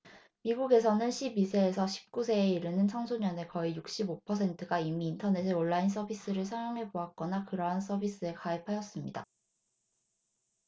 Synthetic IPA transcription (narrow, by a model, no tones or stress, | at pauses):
miɡuɡe̞sʰʌnɯnɕʰibisʰe̞ːsʰʌɕʰi̥p̚k͈usʰe̞ːiɾɯnɯnt͡ɕʰʌŋsʰoɲʌne̞kʌijuk̚ɕ͈ibopʰʌs̬ʰe̞ntʰɯɡaimiːntʰʌne̞s̬ʰeoɭːains̬͈ʰʌbis͈ɯɾɯɭs̬ʰajoŋɦe̞boak͈ʌnakɯɾʌɦans͈ʰʌbis͈ɯe̞kaep̚ʰajʌs͈ɯmɲida̰